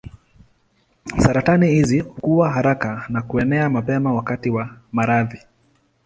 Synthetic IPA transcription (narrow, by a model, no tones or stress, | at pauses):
saɾatanihizikuwaɦaɾakanakuɛnɛamapɛmawakatiwamaɾaði